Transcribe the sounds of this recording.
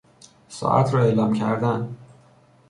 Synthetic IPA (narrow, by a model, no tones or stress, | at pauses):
sɒ̰ːʔæ̰t̪ʰɾɒːe̞ːlɒːmcʰæɾd̪æn